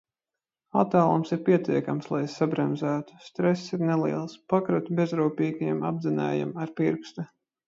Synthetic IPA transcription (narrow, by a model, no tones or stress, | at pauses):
at̪aːlˠumsiɾpʲiɛt̪iɛkamslˠajsabɾɛmzæːt̪u̥st̪ɾɛsːiɾneliɛlˠspakɾut̪bʲezɾuːpʲiːɡajɛma̰bzinɛ̰ːja̰maɾpiɾkst̪u